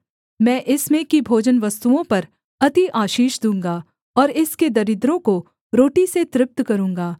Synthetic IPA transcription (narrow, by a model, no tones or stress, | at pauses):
mɛ̃ːʔɪsmẽkibʱoːd͡ʒənʋɐst̪uõpɐɾ | ɐt̪iʔaːʃiːʃd̪ũːŋɡaː | ɔːɾɪsked̪ɐɾɪd̪ɾõko | ɾoːʈiset̪ɾɪp̚t̪kɐɾũːŋɡaː